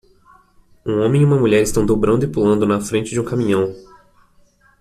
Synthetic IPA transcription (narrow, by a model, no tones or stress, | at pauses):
ũõmẽj̃iũmɐmuʎɛɾɪst̪ɐ̃w̃d̪obɾɐ̃nd̪ʊɪpulɐ̃nd̪ʊnɐfɾẽnt͡ʃɪd͡ʒɪũkamĩɲɐ̃w̃